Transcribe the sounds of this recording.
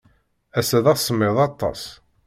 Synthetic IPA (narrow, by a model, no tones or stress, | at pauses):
æsæðɑθsəmːeðˤɑt̪ˤːɑ̰s